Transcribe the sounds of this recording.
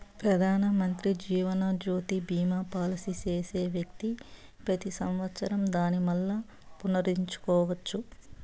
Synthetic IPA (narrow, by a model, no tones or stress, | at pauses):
pɾɐd̪ʱaːnɐmɐnt̪ɾid͡ʒiːʋɐnad͡ʒoːt̪ibiːmapaːlɐsit͡ʃeːseːʋjɐk̚t̪ipɾɐt̪isɐmʋɐt̪sɐɾɐmd̪aːnimɐlːɐ | punɐɾiɲt͡ʃu̥kɔːʋɐt͡ʃːu